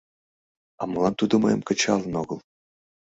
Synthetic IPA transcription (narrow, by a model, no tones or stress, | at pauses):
ɑ̰mɤ̆lˠɑnt̪ud̪ŏmɤ̰jəmkə̆t͡ɕɑlˠənoɣɤ̆lˠ